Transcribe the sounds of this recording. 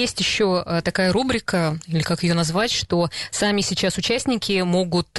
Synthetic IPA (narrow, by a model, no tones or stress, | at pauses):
esʲtʲjɪɕːoət̪ɐkajəɾubɾʲɪkəilʲɪkakjɪjo̞nɐzvatʲʂt̪o̞samʲɪsʲɪt͡ɕasʊt͡ɕæsʲnʲɪkʲɪmo̞ɡʊt̪